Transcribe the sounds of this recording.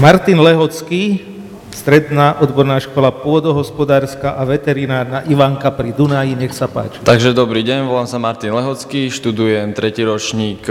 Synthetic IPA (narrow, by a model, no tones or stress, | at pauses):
maɾt̪inlɛɦɔt͡ski | st̪ɾɛd̪naːʔɔd̪bɔɾnaːʃkɔlapʊɔd̪ɔɦɔspɔd̪aːɾskaʔaʋɛt̪ɛɾinaːɾnaʔiʋaŋkapɾid̪unajiɲɛxsapa̰ːt͡ʃi̥t̪aɡʒɛd̪ɔbɾiːɟɛɲʋɔlaːmsamaɾt̪inlɛɦɔt͡skiʃt̪ud̪ujɛmt̪ɾɛciːɾɔt͡ʃɲiːk